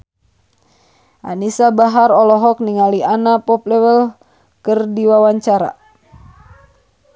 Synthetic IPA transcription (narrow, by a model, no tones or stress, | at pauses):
ʔa̰nisabaɦaɾɔlɔɦɔk̚niŋalianapɔplɛwəl | kɨrdiwawaɲt͡ʃaɾa̰